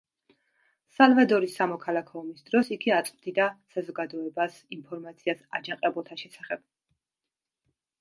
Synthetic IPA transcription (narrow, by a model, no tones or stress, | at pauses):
salˠvad̪ɔɾisːamɔkʰalˠakʰɔɔmisd̪ɾɔsiɡiat̪sʼvd̪id̪asazɔɡad̪ɔɛbas | inpʰɔɾmat̪sʰiasa̰d͡ʒaqʼɛbulˠt̪ʰaʃɛsaχɛb̥̚